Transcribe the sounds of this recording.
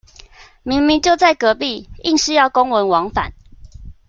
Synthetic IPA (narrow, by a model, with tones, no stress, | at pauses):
mi˨˦ŋmi˨˦ŋt͡ɕjo˥˧ʊt͡sa˥˩ɪkɤ˧˦pi˥˨i˥˨ŋʂɻ̩˥˧˦jɑ˥˨ʊko˦ŋwə˧˦nwɑ˨˧˦ŋfa̰˨˩˦n